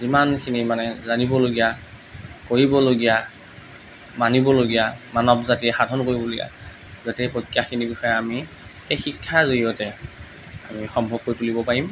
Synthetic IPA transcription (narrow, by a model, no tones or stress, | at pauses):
zimankʰinimanɛzanibɔloɡija | koɹibɔloɡija | manibɔloɡijamanɔbzatiɛxadʱɔnkoɹibɔloɡija̰ | zotɛpɹokːijaxʰinibixɔjɛami | xejxikʰːazoijɔtɛ | amixɔmbʱɔb̚koɹitulibɔpaɹim